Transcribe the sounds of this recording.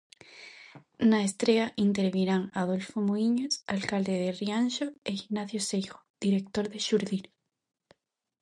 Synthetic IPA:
naest̪ɾeaʔint̪eɾβiɾaŋaðolfomoiɲosalkald̪eðerianʃoeiɣnaθjosejɣoð̥iɾek̚t̪oɾðeʃuɾðin

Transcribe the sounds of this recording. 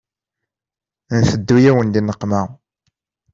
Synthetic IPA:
nθəd̪ːujæwənd̪inəqːmæ

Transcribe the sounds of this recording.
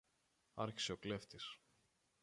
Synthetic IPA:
ɐɾçi̥se̞okle̞ft̪is

